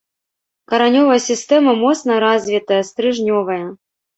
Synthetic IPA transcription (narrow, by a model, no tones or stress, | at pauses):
kɐɾanʲɔvɐjɐsʲist̪ɛmɐmɔt̪snɐɾazʲvʲit̪ɐjɐst̪ɾɨʐnʲɔvɐjɐ